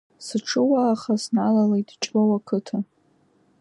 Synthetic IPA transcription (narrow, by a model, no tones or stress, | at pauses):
sɨʈ͡ʂʰɨwaːχasnalalejtʰʼt͡ʃʼbawakʰɨtʰa